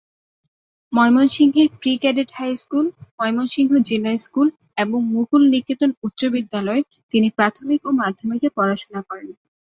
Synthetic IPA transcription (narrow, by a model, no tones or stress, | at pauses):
mɔjmonʃiŋɦeɾpɾikɛɖeʈhajskulmɔjmonʃiŋɦod͡ʑelajskul | eboŋmuɡulnikːit̪onut̪ːɕobid̪ːalɔe | t̪inipɾat̪ʰomikomad̪ʱːomikepɔɾaʃonakɔɾen